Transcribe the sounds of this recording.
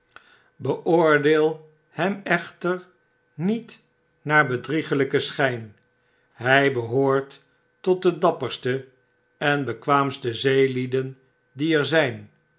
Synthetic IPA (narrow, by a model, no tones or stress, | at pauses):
bəʔʊːɹdeːlˠ | hɛmɛχtəɹ | nit | naːɹbədriχələkəsχɛjn | ɦɛjbəɦoːɹt | ɔt̚dədɑpəɹstə | ɛnbəkʋaːmstəzejlidən | diɛɹzɛjn